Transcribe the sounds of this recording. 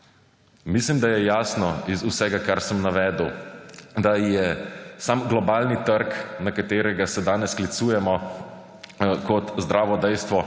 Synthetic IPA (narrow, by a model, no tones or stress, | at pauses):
mislimd̪ajɛjaːsnɔizusɛɡakaɾsəmnaʋɛːd̪əwd̪ajɛsamɡlɔbaːlnit̪əɾknakat̪eːɾɛɡasɛd̪aːnɛsklit̪suːjɛmɔ | kɔt̪zd̪ɾaːʋɔd̪ɛjst̪ʋɔ